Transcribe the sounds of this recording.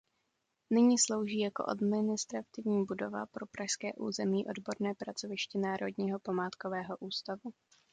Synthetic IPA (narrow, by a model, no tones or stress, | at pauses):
nɪɲiːslo̞wʒiːjako̞̰ʔa̰dmɪnɪst̪ɾat̪ɪvɲiːbudo̞va̰pɾo̞pɾaʃskɛ̰ːʔṵːzɛmiːʔo̞dbo̞ɾnɛːpɾat͡so̞vɪʃcɪnaːɾʔo̞dɲiːɦo̞pamaːt̪ko̞vɛːɦo̞ʔuːst̪avu